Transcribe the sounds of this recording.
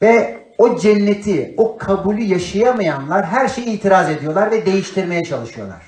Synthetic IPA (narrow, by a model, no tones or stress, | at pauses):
vɛ | o̞d͡ʒɛnːet̪ʰio̞kʰabulʲɯjaʃajamajanlˠaɾɦæɾʃe̞jiːt̪ʰiɾaze̞d̪ijo̞lˠaɾvɛd̪e̞jiʃt̪ʰiɾme̞jɛt͡ʃʰalˠɯʃɯjo̞lˠa̰ɾ̥